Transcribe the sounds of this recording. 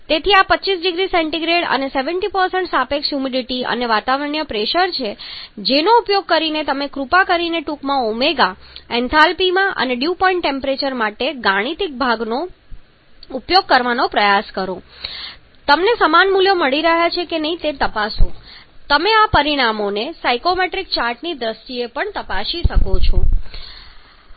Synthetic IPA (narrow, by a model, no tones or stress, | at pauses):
t̪et̪ʰiapətːt͡ʃisɖiɡɾisɛɳʈiɡɾeɽə̰neseʋəɳʈipəɾsəɳʈsapeksjumiɖiʈiə̰neʋat̪aʋəɾəɳjəpɾeʃəɾt͡ʃʰed͡ʒenoupjoɡ̚kəɾinet̪əmekɾupakəɾineʈukmãumeɡaɛ̃nt̪ʰalpimãʔə̰neɖjupɔiɳʈʈempɾet͡ʃəɾmaʈeɡaɽ̃it̪ik̚bʱaɡno | upjoɡ̚kəɾʋanopɾəjaskəɾõ | t̪əmnesəmanmuljoməɭiɾəɦjat͡ʃʰekenəɦĩt̪et̪əpasũt̪əmeapəɾiɽ̃amonesajkomeʈɾik̚t͡ʃaɾʈnid̪ɾəst̪iepəɳt̪əpaʃiʃəkot͡ʃʰõ